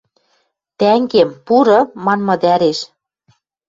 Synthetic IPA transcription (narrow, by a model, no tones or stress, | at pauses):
t̪æŋɡempuɾɤ̆mɑnmɤ̆d̪æɾeʃ